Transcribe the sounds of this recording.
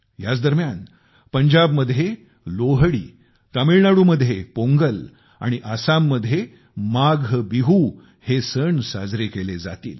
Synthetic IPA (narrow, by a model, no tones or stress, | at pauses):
ɦjat͡sd̪əɾmjan | pəɲd͡ʑabməd̪ʱje | loɦɽḭː | t̪əmiɭnaɽuməd̪ʱjepoŋɡəl | a̰ɽ̃iʔasamːəd̪ʱje | maɡʱbiɦu | hesəɳsa̰d͡zɾekeled͡za̰t̪ḭːl